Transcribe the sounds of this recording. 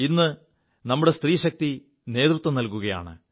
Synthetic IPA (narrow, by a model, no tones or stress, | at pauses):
inːɨ | nɐmːuɽe̞st̪riːɕɐk̚t̪i | ne̞ːd̪rut̪ːwɐmnɐlkuɣɐja̰ːɳɨ̰